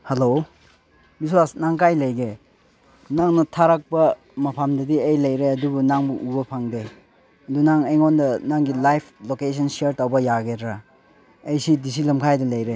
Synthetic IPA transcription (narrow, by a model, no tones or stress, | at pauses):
helo | biswasnaŋkajlɐjɡe | naŋnɐtʰaɾak̚bɐ | mɐpʰamdɐdiejlɐjɾeɐdubunaŋbuʔubɐpʰaŋde | ɐdunaŋejŋondɐnaŋɡilajpʰlokesʰɐnsieɾtawbɐjaɡedɾa | ejsidis̬ilɐmkʰajdɐlɐjɾe